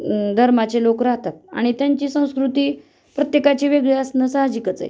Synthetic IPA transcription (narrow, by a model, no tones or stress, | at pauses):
d̪ʱəɾmat͡ɕelokɾaɦt̪at̪̚a̰ɽ̃it̪jaɲt͡ɕiːsə̃w̃skɾut̪iː | pɾət̪jekat͡ɕeʋeɡɭeəsnəsaɦd͡ʑikət͡sa̰j